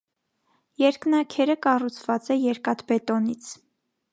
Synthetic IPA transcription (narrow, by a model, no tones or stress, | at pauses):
jɛɾknɑkʰɛɾəkɑrut͡sʰv̥ɑt͡sɛjɛɾkɑt̪bɛt̪ɔnit͡sʰ